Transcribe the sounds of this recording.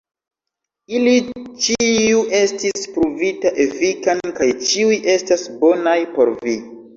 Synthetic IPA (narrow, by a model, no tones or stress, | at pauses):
ilit͡ʃiuʔe̞stispɾuvitaʔe̞fikankajt͡ʃiujʔe̞stasbo̞najpo̞̰ɾvi